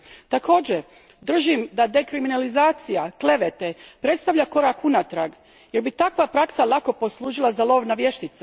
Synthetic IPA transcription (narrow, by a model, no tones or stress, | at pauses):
t̪ako̞ːd͡ʑe | d̪r̩ʒimd̪ad̪e̞kɾiminalizaːt̪sijakle̞ʋet̪epɾe̞t̪st̪aʋʎako̞ɾakunat̪ɾaɡ | je̞ɾbit̪akʋapɾaksalˠako̞po̞slˠuːʒilˠazalˠo̞ːʋnaʋje̞ʃt̪it̪sa